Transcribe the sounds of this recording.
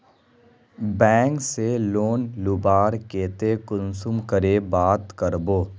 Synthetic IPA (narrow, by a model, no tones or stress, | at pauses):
bɛ̃ːŋkseloːnlʊbaːɾkeːt̪ekʊnsʊmkəɾebaːt̪kəɾboː